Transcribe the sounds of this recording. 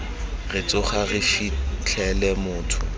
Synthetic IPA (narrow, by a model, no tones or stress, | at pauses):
rɪt͡sʼʊχaɣɪfit͡ɬʰɛlɛmʊːtʰʊ̰